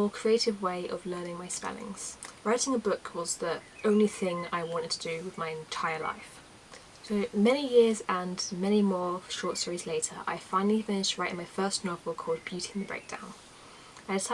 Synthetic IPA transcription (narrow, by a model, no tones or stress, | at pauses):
ɔːkʰɹ̥ieɪtɪvweɪʔə̰vlɜːnɪ̃ŋmaɪspɛ̰lɪ̰̃ŋz̥ɹaɪtɪ̃ŋəbʊkʰwɒzði | ʔə̃ʊ̃nliθɪ̃ŋa̰ɪwɒ̃ntɪd̚tʰədəwɪðmaɪɨ̃ntʰaɪəla̰ɪf | soʊmɛñijɪəzə̃nmɛnimɔːʃɔˑtstɔːɹizleɪtʰə̰ɹʔa̰ɪfãɪ̃nəlifɪ̃nɪʃtɹaɪʔɪ̃nmaɪfɜˑsnɒvəlˠkʰɔːlˠd̚bjʉˑtʰiɪ̃nðəbɹḛɪk̚d̥ã̰ʊ̃n | aɪdɪs